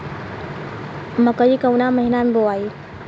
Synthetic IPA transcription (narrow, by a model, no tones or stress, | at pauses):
məkəikəwnaməɦinameboai